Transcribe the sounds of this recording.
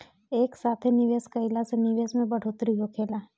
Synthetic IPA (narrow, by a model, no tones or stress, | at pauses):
eːksaːt̪ʰenɪʋeːskɐɪlasenɪʋeːsmẽbɐɽ̤oːt̪ɾiɦokʰeːla